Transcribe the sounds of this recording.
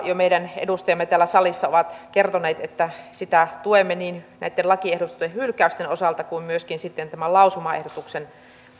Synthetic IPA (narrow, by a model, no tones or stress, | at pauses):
jomeiɾænḛdust̪ɑjɑmːet̪æːlːæsɑlisːɑo̰ʋɑt̪kert̪oneːt̪et̪ːæsit̪æt̪uemːeniːnnæ̰it̪ːelɑkiehdot̪sehhylkæyst̪enosɑlt̪ɑkuimmyøskinsit̪ːent̪æmælɑusumɑḛhdot̪uksen